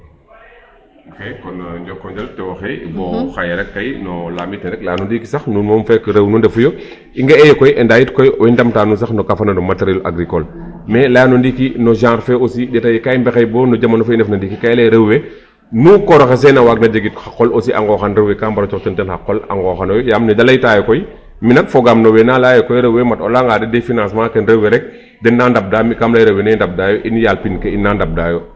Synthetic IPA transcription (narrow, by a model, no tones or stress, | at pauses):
kɛkɔnɐɲɟɔkːɔɲd͡ʒɐltɛwɐxɛbɔːxɐjɐɾɛkːɐjnɔlaːmitnɛɾɛklaːnundikisɐxnunmɔmfɛkɾɐwnundɛfujɔ | iŋɡɐɛjɛkɔjʔɛndaːjitkɔjɔwindɐmtaːnus̬ɐxnɔkafɐnɐnɔmɐtɐɾilʔa̰ɡɾikɔl | mɛlaːnundikinɔʒãːɾfɛosiɗɛtɐjkajmbɛxɐjbɔːnɔɟɐmɐnɔfindɛfnɐndikikɐjlɛɾɐwwɛ | nukɔɾɔxɛs̬ɛnɐwaːk̚nɐɟɐɡit̚xɐqːɔlosiʔɐ̰ŋɡɔːxɐnɾɐwɛkaːmbɐɾɔt͡ʃɔktɔntɛnxɐqːɔlɐ̰ŋɡɔːxɐnɔjjaːmnɛdɐlɐjtaːjɔkɔj | minɐkfɔɡaːmnɔwɛnaːlajɔkɔjɾɐwɛmɐtɔlaŋɡaːdɛdefinãːsmãkɛnɾɐwɛɾɛk̚ | dɛnːandɐb̚daːmikamlɐjɾɐwːɛnɛndɐb̚daːjɔʔinjaːlpinkɛinːaːndɐb̚daːjɔ